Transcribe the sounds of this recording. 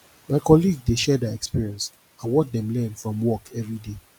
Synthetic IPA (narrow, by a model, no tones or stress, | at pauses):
maɪkɔliɡdeʃɛdɛɛkspiɹiɛ̃ns | awɔt̚dɛ̃mlɛ̃nfɹɔ̃mwɔkʰɛvɹide